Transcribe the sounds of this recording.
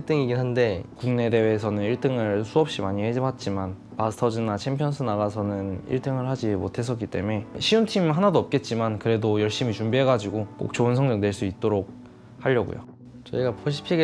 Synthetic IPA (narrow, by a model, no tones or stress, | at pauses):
iɭt͈ɯŋiɡiɦande̞kuŋne̞de̞weːsʰʌnɯniɭt͈ɯŋɯɭsʰuʌp̚ɕ͈imaɲihed͡ʑʌbat̚t͡ɕ͈iman | pasʰɯ̥tʰʌd͡ʑɯnat͡ɕʰempʰjʌnsʰɯnaɣasʰʌnɯnḭɭt͈ɯŋɯɭɦhad͡ʑimotʰe̞s̬͈ʌk͈it͈e̞̰me̞ɕʰiuntʰimɦanadoʌp̚k͈e̞t̚t͡ɕ͈imankɯɾe̞dojʌɭɕ͈imit͡ɕumbiɦe̞ɡad͡ʑiɡok͈o̰k̚t͡ɕ͈oɯnsʰʌŋd͡ʑʌŋdwe̞ɭs͈uit̚t͈oɾok̚ | haʎːʌɡṵjo̰ | t͡ɕʌiɡapoɕ̬ʰi̥pʰiɡe